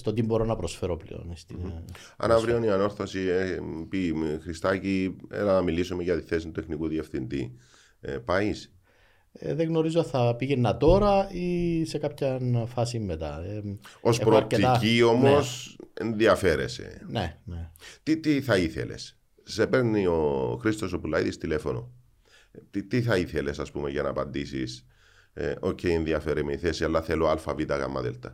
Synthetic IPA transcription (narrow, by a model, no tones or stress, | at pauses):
st̪ot̪imbo̞ɾo̞nɐpɾosfe̞ɾo̞plḛo̞̰nist̪in | ɐ̰nɐvɾioniɐno̞ɾθosiepixɾist̪ɐciḛlɐnɐmilisumeʝɐt̪iθe̞sint̪uexnikuðie̞fθind̪ḭ | epɐis | ḛðeɣno̞ɾizoθɐpiʝenːɐt̪o̞ɾɐise̞kɐpçɐnfɐsimːe̞t̪ɐ̰eospɾoeicio̞mosenðiɐfe̞ɾḛse̞̰nenet̪it̪iθɐiθḛle̞̰s | sepe̞ɾnioxɾist̪o̞sopulɐjt̪ist̪ile̞fono̞̰ | t̪it̪iθɐiθelesɐspumeʝɐnɐːpɐnd̪isḭs | ocʰːeienðiɐfeɾimeiθesiɐlːɐθeloalfɐvit̪ɐɣɐ̰mːɐ̰ðḛlt̪ɐ